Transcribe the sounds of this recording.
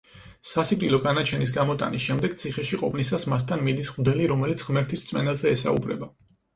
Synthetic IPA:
sasipʼt̪ʼilˠɔɡanat͡ʃʰɛnis̬ɡamɔt̪ʼa̰nisʃɛmd̪ɛɡ̥̚t̪sʰiχɛʃiqʼɔpʰnisasmas̬t̪ʰanmid̪isʁmd̪ɛliɾɔmɛlit̪sʰʁmɛɾt̪ʰist̪sʼmɛnazɛːsa̰ṵbɾɛ̰ba

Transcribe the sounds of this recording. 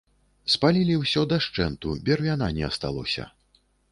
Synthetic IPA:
spalʲilʲiwsʲɔd̪ɐʂt͡ʂɛnt̪ubʲɛrvʲananʲɛɐst̪alˠɔsʲɐ̰

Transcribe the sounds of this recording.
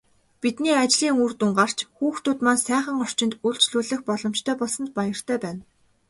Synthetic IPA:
pit̪niːat͡ɕɮiːŋurt̪uŋɢar̥t͡ɕxuːxt̪ʰʊt̪maːnsæːχə̆ŋɔr̥t͡ɕɪ̆nt̪uɮt͡ɕɮuːɮɘ̆xpɔɮɞ̆m̥t͡ɕt̪ʰœːpɔɮsɞ̆nt̪̚pajə̆r̥t̪ʰœːpæːn

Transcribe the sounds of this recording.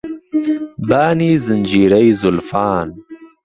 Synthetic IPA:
baːniːzɪnʲd͡ʒiːɾɐjzʊlfaːn

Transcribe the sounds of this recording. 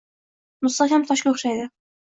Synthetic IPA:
mʊst̪akʲamt̪ʰɒʃkʲaoχʃajd̪ɪ

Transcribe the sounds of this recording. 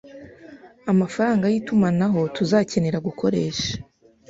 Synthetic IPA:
amafaɾaːŋɡajiːtumanaɦo̞tuzaːce̞ne̞ɾaɡukʰo̞ɾe̞ːʃḁ

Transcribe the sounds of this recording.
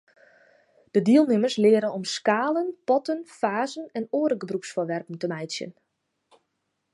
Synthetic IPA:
d̥ədiəlˠnɪmərslɪəɾəɔmskaːlənpɔtənfaːzənɛnoːɾəɡəbrupsfəʋɛrpən̩təmɛjsjə̰n

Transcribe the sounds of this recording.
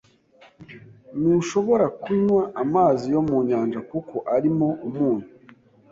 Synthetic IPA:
niʃo̞βo̞ɾakuɲwaʔːmaːzijo̞muːɲaːnd͡ʒakukʰo̞ʔaɾimo̞umuːɲu

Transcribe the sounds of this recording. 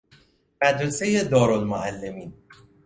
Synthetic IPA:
mæd̪ɾesejed̪ɒːɾonmoʔælːe̞miːn

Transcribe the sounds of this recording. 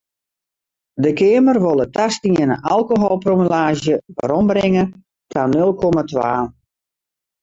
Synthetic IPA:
dəkɪəmərʋolˠətʰastiənəʔalˠkoɦolˠpromilaːʒjəʋə̰ɾɔmbrɪŋə | tʰanølˠkɔmatʋaː

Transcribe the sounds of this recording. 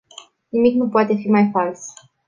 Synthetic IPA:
nimiknupoat̪e̞fimajfals

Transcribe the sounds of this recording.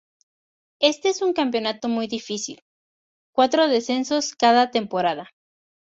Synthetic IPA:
e̞st̪e̞esuŋkampjo̞nat̪o̞mujðifisḭl | kwat̪ɾo̞ðe̞se̞nso̞skaðat̪e̞mpo̞ɾaða

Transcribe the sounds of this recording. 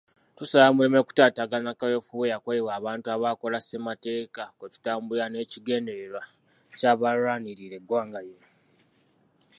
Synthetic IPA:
tusalamulime̞ku̥taːtaɡanakajo̞fuβejakolewaːβaːntuaβaːko̞lase̞mate̞ːkakotu̥taːmbuɾane̞ːciɡe̞ːndeɾeɾwa | caːβaɾaːniɾiɾe̞ɡwaːŋɡaje

